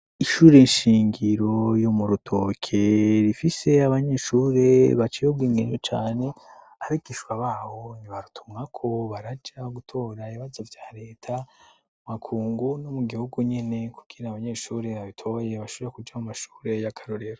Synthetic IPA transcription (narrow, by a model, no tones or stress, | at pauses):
iʃuːɾe̞inʃiːŋɡiɾo̞jomuɾutʰo̞ːkʰe̞ɾifise̞aβaɲe̞ʃuːɾe̞βat͡ʃijobɡiːŋɡeɲd͡ʒot͡ʃaːne̞ | aɾikiʃwaβaːho̞niβaɾutʰumŋakʰo̞βaɾad͡ʒaɡutʰo̞ːɾaiβazavjaːɾe̞ːtʰa | umakʰuːŋɡunomuɡihuɡuɲe̞ne̞ku̥ɡ̥iɾaβaɲe̞ːʃuːɾe̞βaβitʰo̞je̞βaʃuiɾekud͡ʒamumaʃu̥ːɾe̞jakʰaɾoɾe̞ɾo